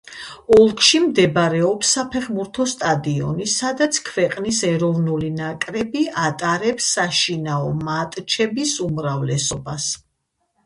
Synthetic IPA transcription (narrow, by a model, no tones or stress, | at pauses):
ɔlˠkʰʼʃimd̪ɛbɾɛɔpsːapʰɛʁmuɾt̪ʰɔst̪ʼad̪iɔ̰nisad̪at̪sʰkʰvɛqʼnisɛɾɔvnulinakʼɾɛbiat̪ʼaɾɛpsːaʃinaɔmat̪ʼt͡ʃʰɛbisumɾavlɛsɔbas